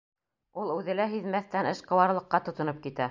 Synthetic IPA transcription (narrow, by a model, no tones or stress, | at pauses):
ulˠʉðɘ̆læɦiðmæθt̪ænɘʃqɤ̆wɑɾlˠɤ̆qːɑt̪ŏt̪ŏnɤp̚kit̪æ